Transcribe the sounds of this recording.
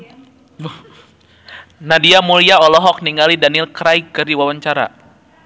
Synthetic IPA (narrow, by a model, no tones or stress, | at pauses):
nadiamuliaɔlɔɦɔk̚niŋɡalidanɪlkɾajkɨrdiwawaɲt͡ʃaɾa̰